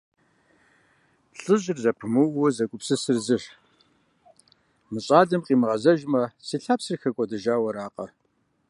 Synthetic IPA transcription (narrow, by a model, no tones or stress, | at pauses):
ɬʼɨʑɪrzɐpʰɨmɨwʊzɐkʷʼʊpsɨsɨrzɨʂ | mɨɕʼaːɮɨmqʼiːmɨʁɐzɐʒmɐsiːɬaːpsɨrxɐkʷʼɔdɨʒaːwɐɾaːqʼɐ̰